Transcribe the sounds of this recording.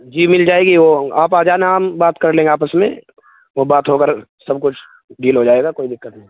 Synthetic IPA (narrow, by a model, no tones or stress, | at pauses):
d͡ʒiːmɪld͡ʒaːeːɡiʋoaːpaːd͡ʒanaːmbaːt̪kɐɾlẽːŋɡeaːpəsmḛ̃ | ʋobaːt̪ɦokəɾsɐbkʊt͡ʃʰ | diːlɦod͡ʒaːeːɡakoːid̪ɪkːət̪nɐ̃ɦĩ